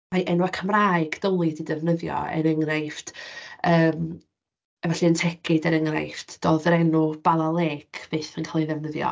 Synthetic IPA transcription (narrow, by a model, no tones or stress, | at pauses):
majʔɛnwakʰəmraːɨɡd̥ɔlˠɨdidɛvnəðjɔ̰ɛ̰ɾəŋrajftəːm | ɛvɛɬɛəntʰɛkʰɪdɛɾəŋra̰jftd̥oːðəɾɛnub̥alalˠeːkʰv̥eːθənkʰalˠiðɛvnəðjɔ̰